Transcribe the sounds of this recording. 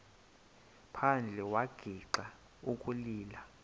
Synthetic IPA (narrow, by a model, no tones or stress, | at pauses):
pʰand͡ɮʱɛwaɡ̥ʱiǃa | ukʼuliːla